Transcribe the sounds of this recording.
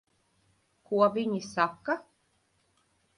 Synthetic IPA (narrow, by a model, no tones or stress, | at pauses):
kuɔvʲiɲisakːa